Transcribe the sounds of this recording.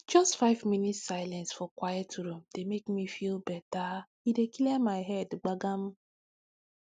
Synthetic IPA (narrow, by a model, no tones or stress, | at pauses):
d͡ʒɔstfaɪvminitssaɪlɛ̃nsfɔkwajɛtuɾumdemekmifilbɛta | idekilemaɪɦɛdɡ͡baɡam̩